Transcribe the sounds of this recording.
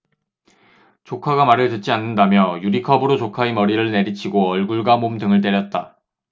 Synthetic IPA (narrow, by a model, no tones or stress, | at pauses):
t͡ɕokʰaɡamaɾɯɭtɯt̚t͡ɕ͈ianːɯndamjʌjuɾikʰʌbɯɾot͡ɕokʰaimʌɾiɾɯɭne̞ɾit͡ɕʰiɡoʌɭɡuɭɡamomdɯŋɯɭt͈e̞ɾjʌt̚t͈a